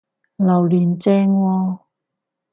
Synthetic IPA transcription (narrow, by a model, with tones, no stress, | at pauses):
lɐ˨˩wliː˨˩nt͡sɛː˧ŋwɔː˧